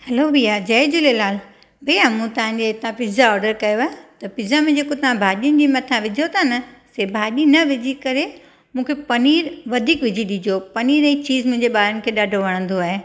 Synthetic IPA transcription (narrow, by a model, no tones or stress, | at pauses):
hɛlobʱijad͡ʑɐɪd͡ʑʊlelaːl | bʱɐjamũːt̪ɐʋ̤ãɲd͡ʑeɪt̪ãpɪzaɔːɾɖəɾkɐjoaːɦet̪ɐpɪzamẽd͡ʑeːkot̪ɐʋ̤ãbʱaːɗiʊnɪ̆d͡ʑiːmɐt̪ʰaʋɪd͡ʑʱot̪ʰanɐsebʱaːɗinɐʋɪd͡ʑʱikɐɾe | mũːkʰepɐniːɾʋɐd̪ʱiːkʋɪd͡ʑʱiɗid͡ʑopɐniːɾit͡ɕiːzmʊ̃ɦɪ̃ɲd͡ʑeɓaːɾənɪ̆kʰeːɗaːɖʱoʋɐɽ̃ə̃nd̪oaːɦe